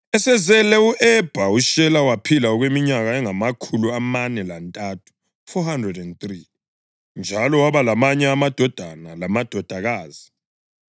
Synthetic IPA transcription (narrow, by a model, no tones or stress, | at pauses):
ɛsɛzɛlɛuʔɛb̥ʱauʃɛlawapʰilaɔɣwemiɲaɣaɛŋamakʰuluamanɛlantʼatʰu̥ | fɔhandrɛdɛnt̪ri | nd͡ʒʱalɔwaβalamaɲɛamad̥ʱɔd̥ʱanalamad̥ʱɔd̥ʱaɣaːz̥i